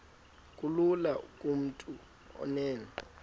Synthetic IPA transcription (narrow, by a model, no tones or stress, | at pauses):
kʼululakʼum̩tʼu | ɔ̰nɛːnɔ